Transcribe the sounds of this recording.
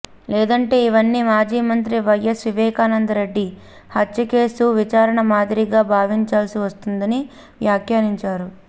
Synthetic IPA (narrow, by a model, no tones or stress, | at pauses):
lɛːd̪ɐɳʈe̞ːiʋɐnːimaːd͡ʒiːmɐnt̪̬ɾiʋɐjːesʋiʋɛːkaːnɐnd̪ɐɾe̞ɖːi | hɐtːt͡ʃɐke̞ːsuʋit͡ʃaːɾɐɳɐmaːd̪iɾiɡaːbʱaːʋiɲt͡ʃaːlsiʋɐst̪und̪ɐni | ʋjaːkjaːɾiɲt͡ʃaːɾu